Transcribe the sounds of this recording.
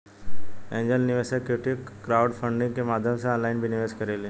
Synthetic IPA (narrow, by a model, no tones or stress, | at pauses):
ẽɲd͡ʑəlniʋesakeʈʰikːɾauɖfəɳɖĩŋɡkĩmad̪ʱjəmsaːnlainbʱiniʋeskəɾele